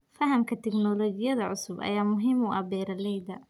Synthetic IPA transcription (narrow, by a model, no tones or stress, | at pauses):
fɐɦɐmkʰɐt̪ʰɛɡnɔːlɔːɡɪjɐðɐʕʊsʊbɐ̰jaːmʊɦiːmʊʔɐ̰bɛːɾɐlɛjd̪ɐ